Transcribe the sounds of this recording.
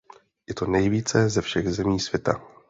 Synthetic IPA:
jɛt̪o̞nɛjviːt͡sɛzɛfʃɛɣzɛmiːsvjɛt̪a̰

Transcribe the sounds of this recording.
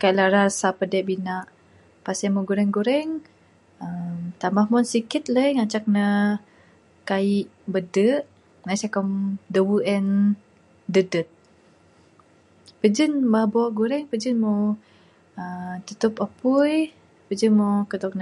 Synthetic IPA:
kaiʔlaɾasapədɛʔbinaʔ | pasɛmoɡuɾɛŋɡuɾɛŋ | əmt̪amahmɔnsikit̪̚ləjŋat͡ʃak̚nə | kaiʔ | bədəʔ | nasakɔmdəwuʔɛn | dədət̪̚ | pəd͡ʒənbabɔaʔɡuɾɛŋpəd͡ʒənmo | ət̪ut̪upəpuj | pəd͡ʒənmokəd̪ɔk̚nə

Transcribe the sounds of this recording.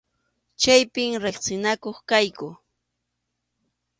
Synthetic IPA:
t͡ʃajpɪmɾɪχsɪnakoχkajkʊ

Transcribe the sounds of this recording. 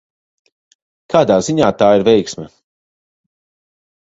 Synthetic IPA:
kʰaːd̪aːziɲaːt̪aːiɾvɛjksmɛ

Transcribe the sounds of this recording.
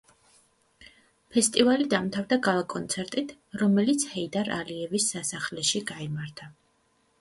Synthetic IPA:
pʰɛst̪ʼivalid̪amt̪ʰavd̪aɡalˠakʼɔnt̪sʰɛɾt̪ʼit̪ʰ | ɾɔmɛlit̪sʰhɛid̪aɾaliɛvisːasaχlɛʃiɡaimaɾt̪ʰa

